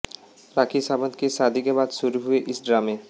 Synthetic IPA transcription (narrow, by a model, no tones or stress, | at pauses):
ɾakʰisabad̪kesad̪ʱikebad̪suɾuɦueʔisɖɾame